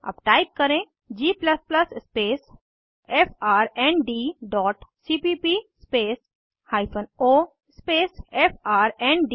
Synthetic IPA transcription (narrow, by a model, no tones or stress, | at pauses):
ɐ̰bʈaːɪp̚kɐɾẽ | d͡ʒiːplɐsplɐsspeːs | efʰaːɾɛ̃ɳɖiɖɔːʈsipiːpispeːs | haːɪpʰənoː | speːsefʰaːɾɛ̃ːɳɖɖi